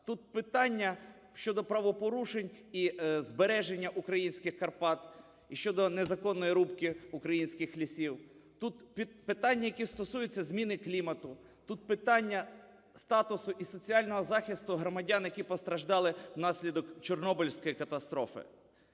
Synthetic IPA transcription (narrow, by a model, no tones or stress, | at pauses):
t̪ut̪̚pɪt̪ɑnʲːɐ | ʃt͡ʃɔd̪ɔpɾɐʋɔpɔɾuʃenʲizbeɾɛʒenʲːɐʔukɾɐjinʲsʲkɪxkɐrpɑt̪ | iʃt͡ʃɔd̪ɔnezɐkɔnːɔjiɾupkɪʊkɾɐjinʲsʲkɪxlʲisʲiwt̪ut̪pʲipɪt̪ɑnʲːɐjɐkist̪ɔsujʊt͡sʲːɐzʲmʲinɪklʲimɐt̪ʊ | t̪ut̪̚pɪt̪ɑnʲːɐ | st̪ɑt̪ʊsʊʔisɔt͡sʲijɑlʲnɔɦɔzɑxʲist̪ʊɦɾɔmɐdʲɑnjɐkʲipɔst̪ɾɐʒd̪ɑlˠɪwnɑsʲlʲid̪ɔkt͡ʃɔrnɔbʊlʲsʲkɔjikɐt̪ɐst̪ɾɔfɪ̰